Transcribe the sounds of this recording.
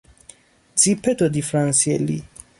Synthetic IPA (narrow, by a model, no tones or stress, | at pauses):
d͡zipʰɛt̪ɔd̪ifɾãnsiɛlḭ